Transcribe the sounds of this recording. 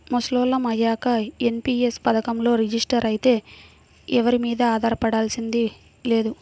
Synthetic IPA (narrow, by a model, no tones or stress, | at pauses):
mosloːlɐmɐjaːkɐenpiːespɐd̪ɐkɐmlo̞ːɾid͡ʒisʈɐɾɐjit̪e̞ː | ɛʋɐɾimiːd̪ɐaːd̪ʱaːɾɐpɐɽaːlsind̪i | le̞ːd̪u